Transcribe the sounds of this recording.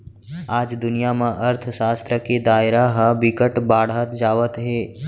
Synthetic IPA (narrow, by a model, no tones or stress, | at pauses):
aːd͡ʒd̪ʊnijamãʔəɾt̪ʰəʃaːst̪ɾəked̪aːɪɾaɦəbɪkəʈbaːɽ̤ət̪d͡ʒaːʋət̪ɦeː